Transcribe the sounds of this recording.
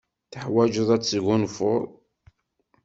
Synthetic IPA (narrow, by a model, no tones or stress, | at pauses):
θəħwæd͡ʒəðˤæt͡sːɣʊnfʊɾˤ